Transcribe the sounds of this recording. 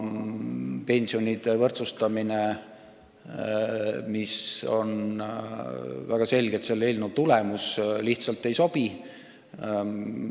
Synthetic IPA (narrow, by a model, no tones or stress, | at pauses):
pe̞nʲsio̞nʲid̪̥e̞vɤrt̪sust̪ɑmine̞ | miso̞̰n | væɡ̥ɑse̞lʲɡet̪selːelnut̪ulemusliht̪sɑlt̪ːˑe̞jso̞b̥i